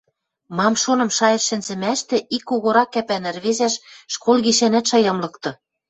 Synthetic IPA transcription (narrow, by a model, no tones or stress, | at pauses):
mɑmʃonɤ̆mʃɑjɤ̆ʃːɘ̆nzɘ̆mæʃt̪ĕʔikːoɣoɾɑkːæpænɘ̆rβezæʃːkʰolɣiʃænæt̪ʃɑjɑmlɤ̆kt̪ɤ̆